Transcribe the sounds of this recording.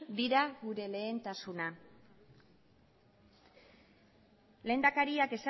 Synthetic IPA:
d̪iɾaɡuɾe̞le̞ːnt̪asuna | le̞ːnd̪akaɾiake̞sa

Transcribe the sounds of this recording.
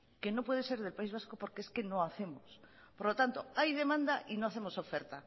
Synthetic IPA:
ke̞no̞pwe̞ð̞e̞se̞ɾðe̞lpaizβ̞asko̞poɾkeeske̞no̞aθe̞mos | po̞ɾlo̞t̪ant̪o̞ajð̞e̞mãnd̪aʔino̞aθe̞mo̞so̞fe̞ɾt̪a

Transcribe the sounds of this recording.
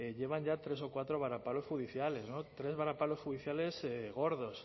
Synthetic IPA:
eʎeβ̞aɲʝat̪ɾesokwat̪ɾoβ̞aɾapalosxuðiθjaleznot̪ɾe̞zβaɾapalosxuðiθjaleseɣoɾðos

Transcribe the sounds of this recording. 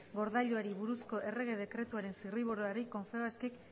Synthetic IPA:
ɡo̞ɾðaʎoaɾiβuɾusko̞ʔe̞re̞ɣe̞ð̞e̞kɾe̞t̪uaɾe̞nsiriβ̞oɾoaɾiko̞ɱfe̞oaskek

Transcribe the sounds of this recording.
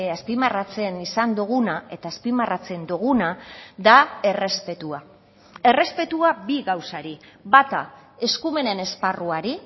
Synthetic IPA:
aspimarat͡se̞nisand̪uɣ̞unae̞t̪aːspimarat͡se̞nd̪uɣ̞unaðae̞re̞spe̞t̪ua | e̞re̞spe̞t̪uabiɣawsaɾi | bat̪a | e̞skume̞ne̞ne̞sparuaɾi

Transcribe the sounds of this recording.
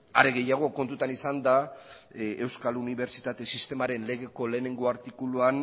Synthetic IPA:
aɾe̞ɣe̞jaɣ̞o̞ko̞nt̪ut̪anisand̪a | e̞wskaluniβ̞e̞ɾt͡ʃit̪at̪e̞sist̪e̞maɾe̞nle̞ɣ̞e̞ko̞le̞ːne̞ŋɡo̞aɾt̪ikuluan

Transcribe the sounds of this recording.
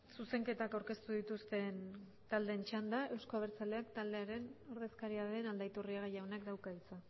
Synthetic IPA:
suse̞ŋke̞t̪akawɾke̞st̪uðit̪ust̪e̞n | t̪ald̪e̞nt͡ʃand̪ae̞wsko̞aβe̞ɾt͡sale̞akt̪ald̪e̞aɾe̞no̞ɾðe̞skaɾiaɾe̞nald̪ajt̪uriaɣejawnakd̪awkaɣit͡sa

